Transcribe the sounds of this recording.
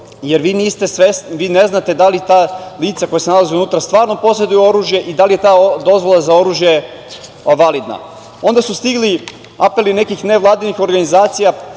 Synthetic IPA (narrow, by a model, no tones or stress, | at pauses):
jeɾʋiːniːst̪esʋesnʋiːne̞znat̪e̞d̪alit̪aːliːt̪sako̞jasenalaziunut̪ɾast̪ʋaːɾno̞po̞se̞d̪ujuo̞ɾuːʒje̞ʔid̪alije̞t̪aːd̪o̞zʋo̞lˠazao̞ɾuʒje̞ | ʋalid̪na̰ | o̞nd̪asust̪iɡli | ape̞line̞kixne̞ʋlˠaːd̪inixo̞ɾɡanizaːt̪sija